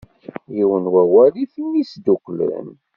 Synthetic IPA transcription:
jiwənwæwælifinːisd̪ukːlə̰n

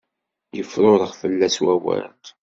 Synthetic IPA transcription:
jəfɾʊɾˤəʁfəlːæswæwə̰ɾt̪

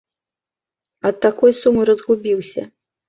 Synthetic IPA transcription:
ɐt̪ːakɔjsumɨɾɐzɣubʲiwsʲɐ̰

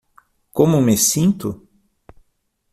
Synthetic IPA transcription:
kõmʊmesĩnt̪ʊ

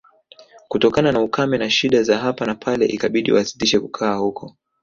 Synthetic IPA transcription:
kutɔkananaukamɛnaʃiɗazaɦapanapʰalɛ̰ʔikaɓiɗḭwasi̥liʃɛkukʰaːhukʰɔ

